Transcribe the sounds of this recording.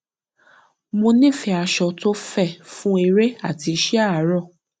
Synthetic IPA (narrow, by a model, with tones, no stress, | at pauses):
mõ˧nĩ˦˨fɛ˨a˧˨ʃɔ˨to˦fɛ˦˨fũ˦e˧ɾe˦a˦˨ti˧˦ʃɛ˦a˦˨˦ɾɔ˦˨